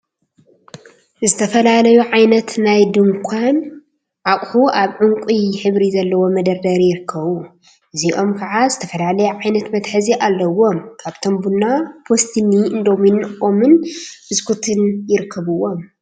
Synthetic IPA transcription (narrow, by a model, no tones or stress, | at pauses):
zɨt̪ʰɐfɐlalɐjuʕajnɐt̪najd̪ɨŋkʷʰan | ʕakʼhuʔaβʕuŋkʷʼiħɨβɾizɐlːɐwo̞mɐd̪ɐɾd̪ɐɾijɪɾɨkʰːɐβu | ʔɨziʔo̞mkʰɐʕazɨt̪ʰɐfɐlalɐjuʕajnɐt̪mɐt̪ħɨziʔalːɐwo̞mkʰaβt̪ʰombunːapʰost̪ʰiniɨnd̪omjɪnːɨomɨnb̥ɨskʰut̪ʰɨnjɪɾɨkʰːɐβɨwo̞m